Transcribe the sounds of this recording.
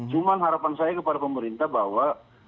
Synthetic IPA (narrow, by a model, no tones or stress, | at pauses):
t͡ʃumanɦaɾapansajakəpadapəməɾint̪abawa